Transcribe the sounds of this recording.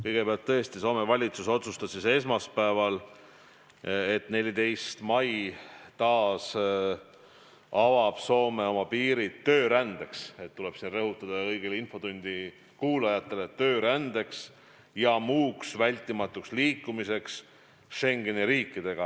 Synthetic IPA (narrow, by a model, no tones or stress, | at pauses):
kɤjɡ̥e̞peɑlt̪ːɤest̪iso̞ːme̞vɑlʲit̪suso̞t̪sust̪ɑsise̞s̬mɑspæevɑl | e̞t̪ne̞lʲid̪e̞jst̪mɑjt̪ɑːs | ɑvɑb̥so̞ːme̞o̞mɑpiːɾit̪ːø̞ːɾænd̪̥e̞kse̞t̪ːule̞b̥sinrɤɦut̪ːˑɑd̪̥ɑɤjɡ̥elinfo̞d̪unʲd̪̥i | kuːlɑjɑt̪ːˑe̞le̞t̪ø̞ːɾænd̪̥e̞ks | jɑmuːksvælʲt̪ːˑimɑt̪ːˑuksliːkːˑumise̞ks | ʃe̞ŋɡ̥e̞niɾiːkˑːid̪e̞ɡ̥ɑ